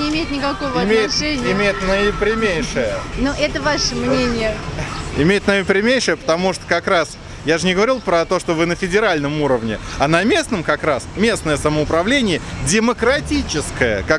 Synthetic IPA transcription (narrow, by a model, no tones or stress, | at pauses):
ɪɪmʲeɪt̪nʲɪkɐko̞vəɐmʲejɪʂɛnʲɪɪmʲejɪt̪nəɪpɾʲɪmʲejʂɨjənoʔɛt̪əvaʂəmnʲenʲɪjəɪ̰mʲejɪt̪nəɪpɾʲɪmʲejʂɨjəpə̥t̪ɐmuʂt̪ə̥kɐkɾas | jaʐɨnʲɪɡəvɐɾʲilˠpɾət̪o̞ʂt̪ovɨnəfʲɪdʲɪɾalʲnəmuɾəvnʲɪ̰ɐnɐmʲe̞snəmkɐkɾasmʲesnəjəsəməʊpɾɐvlʲenʲɪjɪdʲɪməkɾɐtʲit͡ɕɪskəjə̰kak